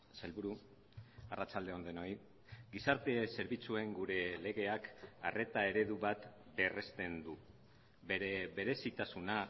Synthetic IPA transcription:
salβuɾu | arat͡sald̪e̞o̞nd̪eno̞j | ɡisaɾt̪e̞se̞ɾβit͡sue̞ŋɡuɾe̞le̞ɣ̞e̞aka̰re̞t̪ae̞ɾe̞ðuβat̪ | be̞re̞st̪e̞nd̪u | beɾeβe̞ɾe̞sit̪asuna

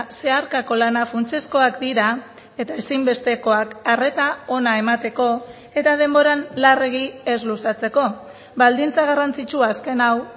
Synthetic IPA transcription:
se̞aɾkako̞lanafunt͡ʃe̞sko̞akd̪iɾa | e̞t̪ae̞simbe̞st̪e̞ko̞akare̞t̪ao̞nae̞mat̪e̞ko̞ | e̞t̪að̞e̞mbo̞ɾanlareɣie̞zlusat͡se̞ko̞ | bald̪int͡saɣ̞arant͡sit͡ʃuaːske̞naw

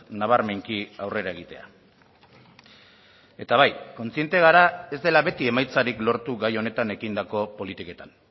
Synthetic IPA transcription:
naβ̞aɾme̞ŋkiawre̞ɾae̞ɣit̪e̞a̰ | e̞t̪aβajko̞nt͡sie̞nt̪e̞ɣ̞aɾae̞zd̪e̞laβe̞t̪ie̞majt͡saɾiklo̞ɾt̪uɣajo̞ne̞t̪ane̞kind̪ako̞po̞lit̪ike̞t̪an

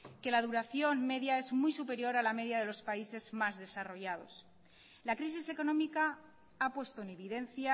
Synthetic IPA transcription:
ke̞laðuɾaθjo̞nme̞ðjae̞zmujsupe̞ɾjo̞ɾalame̞ðjaðe̞lo̞spaise̞zmazðe̞saro̞ʝað̞o̞s | lakɾis̬ise̞ko̞nõ̞mika | apwe̞st̪o̞ene̞βiðe̞nθja

